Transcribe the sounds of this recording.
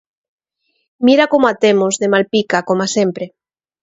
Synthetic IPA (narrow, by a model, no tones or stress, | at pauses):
miɾakomoat̪emozðemalpikakomasempɾe